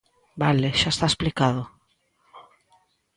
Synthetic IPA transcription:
baleʃaest̪aesplikaðo

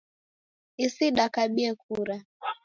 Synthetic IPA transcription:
isiɗakaɓiɛk̚uɾa

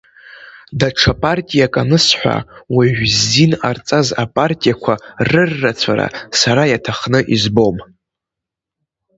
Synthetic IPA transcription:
daʈ͡ʂʰapʼartʼijakʼanɨsħʷa̰waʒʷᶣzːinart͡sʼazapʼartʼijakʷʰarɨrːat͡sʷʰaɾa̰saɾajatʰaχnɨʔizbo̞m

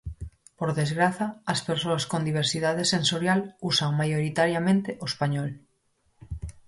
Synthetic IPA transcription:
poɾðezɣɾaθaːspeɾsoaskond̪iβ̞eɾsið̞aðesẽnsoɾjalusaŋmajoɾit̪aɾjamẽnt̪eʔoespaɲɔl

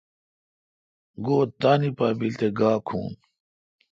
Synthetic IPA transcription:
ɡoːt̪aːnipaːbilt̪eɡaːkʰṵːn

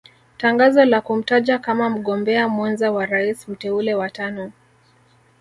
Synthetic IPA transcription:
taŋɡazɔlakum̩taʄakamam̩ɠɔmbɛamwanzawaɾaism̩tɛulɛwatanɔ

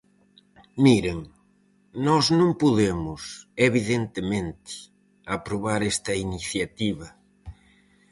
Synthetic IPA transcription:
miɾeŋ | nɔznõŋpuðemʊseβiðent̪ɪmẽnt̪ɪ̥ | apɾoβaɾɛst̪ɐiniθjat̪iβɐ

